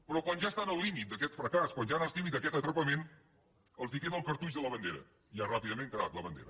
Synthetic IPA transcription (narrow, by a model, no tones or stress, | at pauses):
pɾɔkwanʒast̪anəlˠlimit̪̚d̪əkɛt̪fɾəkaskwanʒanast̪imit̪əkɛt̪ət̪ɾəpəmen | əlˠzikɛt̪əlˠkəɾt̪ut͡ʃðələβənd̪eɾə̰ | iarapiðəmẽŋkəɾat̪ləβənd̪ḛɾə